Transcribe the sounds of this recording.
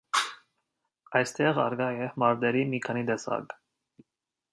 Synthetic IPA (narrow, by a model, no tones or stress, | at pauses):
ɑjst̪ɛʁɑɾɡɑjɛmɑɾd̪ɛɾimikʰɑnid̪ɛsɑ̰ɡ